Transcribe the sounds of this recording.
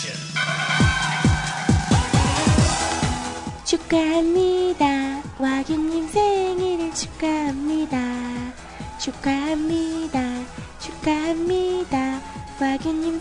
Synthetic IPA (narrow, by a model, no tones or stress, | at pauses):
t͡ʃukːamːid̪awaɡiɲimseŋiɾit͡ʃʰu̥kːamːid̪a | t͡ʃukːamːid̪a | t͡ʃukːamːid̪awaɡiɲim